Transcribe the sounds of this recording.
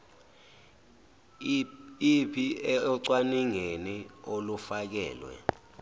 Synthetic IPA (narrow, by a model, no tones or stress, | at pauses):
pʰiɛɔǀwaniŋeniolufak̬ɛ̰ːlwɛ̰